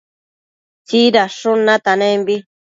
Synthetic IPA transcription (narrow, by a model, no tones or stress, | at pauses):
t͡ʃiɾaʂunãt̪anẽmbi